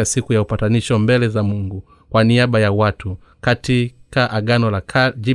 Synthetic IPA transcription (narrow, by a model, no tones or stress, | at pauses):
asikujaupataniʃɔmbɛlɛzamuŋɡu | kwaniaɓajawatu | katikaʔaɡanɔlakad͡ʒi